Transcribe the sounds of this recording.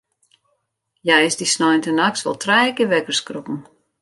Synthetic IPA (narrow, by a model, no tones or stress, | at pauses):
jɛjɪsdisnɔjntənaksʋɔ̰lˠtʰrɛjkɪʋɛkərskropn̩